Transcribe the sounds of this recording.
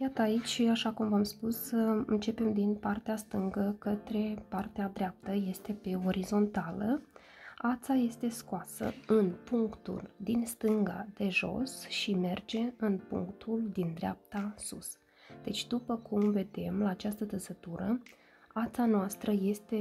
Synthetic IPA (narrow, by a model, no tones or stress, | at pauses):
jat̪əait͡ʃʲʃaʃakumvamspusɨnt͡ʃe̞pe̞md̪inpart̪east̪ɨŋɡəkət̪ɾe̞part̪ead̪ɾeap̚t̪əje̞st̪e̞pe̞o̞ɾizo̞nt̪alə | at̪saje̞st̪e̞skoasə̰ɨnpuŋkt̪ṵld̪inst̪ɨŋɡa̰d̪e̞ʒo̞̰sʃime̞rd͡ʒe̞ɨnpṵŋkt̪ʰuld̪ind̪ɾea̰p̚t̪asṵs | d̪̥e̞t͡ʃʲd̪upəkumve̞d̪e̞mlaːt͡ʃast̪ət̪əsət̪uɾə | at̪sanoast̪ɾəje̞st̪e̞